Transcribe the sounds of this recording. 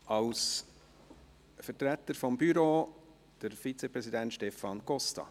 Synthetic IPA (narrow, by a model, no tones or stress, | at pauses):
ɑls | fəɾtɾæt̪ːəɾfɔmbyɾoː | d̥əɾfit͡sɛpɾɛsidænt̪ʃtɛfɑnkɔstɑ̰